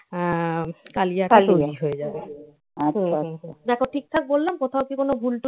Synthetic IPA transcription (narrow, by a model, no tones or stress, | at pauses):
kaliaɛkalt̪oɾiɦoed͡ʑabe | aãɦd̪ɛkʰoʈʰik̚t̪ʰak̚bolːamkot̪ʰaokikonobʱulʈ